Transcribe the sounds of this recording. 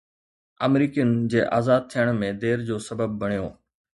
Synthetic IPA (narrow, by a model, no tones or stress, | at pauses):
ɐmɾiːkijənɪd͡ʑeːʔa̰ːzaːd̪̚t̪ʰijəɽ̃mẽd̪eːɾd͡ʑoːsɐbəb̚ːɐɽ̃ijoː